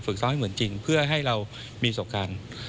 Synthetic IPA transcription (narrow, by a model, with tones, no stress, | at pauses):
fɯ˨˩k̚sɔː˧˥mha˥˩jmɯ˩˦ənt͡ɕi˧ŋpʰɯ˥˩ɐɦa˥˩jɾa˧w | miː˧p̪ʰoː˨˩kʰaː˧n